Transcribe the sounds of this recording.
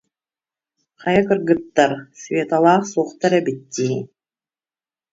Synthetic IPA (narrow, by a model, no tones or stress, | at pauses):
χɑjakɯɾɡɯt̪ːaɾsvʲeːt̪alˠaːχsuːχt̪aɾɛbit̪ːiː